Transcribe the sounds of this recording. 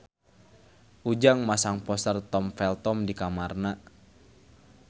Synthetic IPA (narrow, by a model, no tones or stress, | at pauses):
ʔud͡ʒaŋmasaŋpɔsərt̪ɔmfɛlt̪ɔmdikamarna